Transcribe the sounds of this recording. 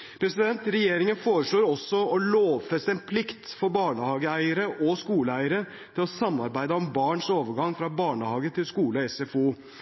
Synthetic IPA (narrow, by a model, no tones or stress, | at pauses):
pʰɾɛsɪd̪ɛnt̪ɾɛjeːɾɪŋənfoːɾəʂɭoːɾɔsːɔɔloːʋfɛst̪əɛnpʰlɪkt̪fɔɾbɑːɳəhɑːɡəæɪəɾəʔɔskuːləæɪəɾə | t̪ʰɪlɔsɑmːɑɾbæɪd̪əɔmbɑːɳʂoːʋəɾɡɑŋːfɾɑbɑːɳəhɑːɡət̪ʰɪlskuːləɔɛsɛfuː